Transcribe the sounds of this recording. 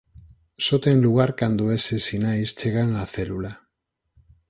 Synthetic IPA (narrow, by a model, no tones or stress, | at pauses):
sot̪eŋluɣ̞aɾkand̪oesesinajst͡ʃeɣ̞aŋaθelula